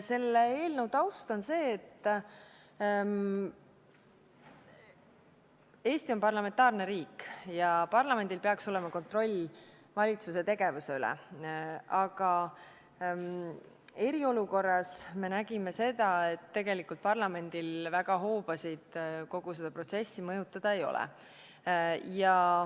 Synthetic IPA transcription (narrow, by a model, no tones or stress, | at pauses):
se̞lːee̞ːlnəwd̪ɑwst̪o̞nse̞ːt̪ː | e̞ːst̪io̞npɑrlɑme̞nt̪ːˑɑːrneɾiːkjɑpɑrlɑme̞nd̪̥ilpe̞ɑkso̞lemɑko̞nt̪ro̞lʲ | vɑlʲit̪suse̞t̪e̞ɡ̥e̞vuseylɛ̰ | ɑɡ̥ɑ | e̞ɾio̞luko̞rːɑsme̞næɡ̥ime̞se̞d̪̥ɑe̞t̪ːe̞ɡ̥e̞likːˑult̪̚pɑrlɑme̞nd̪̥ilvæɡ̥ɑɦo̞ːb̥ɑsid̪̥ko̞ɡ̥use̞d̥̪ɑpro̞t̪se̞sːimɤjut̪ːˑɑd̪̥ɑe̞jo̞̰lɛ̰ | jɑ